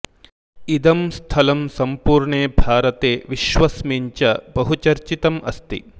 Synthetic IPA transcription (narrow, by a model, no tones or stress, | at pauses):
id̪ɐmst̪ʰɐlɐmsɐmpuːɾɳeːbʱaːɾɐt̪eːʋiʃʋɐsmiɲt͡ʃɐbɐɦut͡ʃɐɾt͡ʃit̪ɐmʔɐst̪ḭ